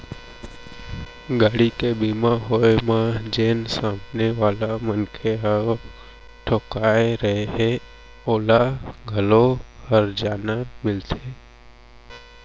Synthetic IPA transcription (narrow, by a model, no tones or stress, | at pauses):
ɡaːɽikebimãɦojmãd͡ʒensãmbʱneʋalamənkʰeɦəʋ | ʈʰokajɾəɦeɦe | olaɡʱəlohəɾd͡ʒanamɪlt̪ʰe